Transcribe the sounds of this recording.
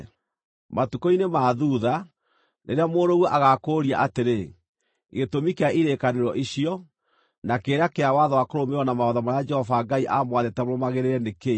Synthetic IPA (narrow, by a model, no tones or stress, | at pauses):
matukoinemaːðuða | nʔḛɾeamoːɾoɣwɔʔaɣakoːɾia̰ʔateɾe | ɣetomikeaʔiɾekaneɾɔʔiɕiɔ | nakeːɾeakeawaðɔwakoɾomewɔnamaɔðamaɾaad͡ʒɛhɔvaɡaiʔamwaðetɛmoɾomaɣeɾeɾɛneke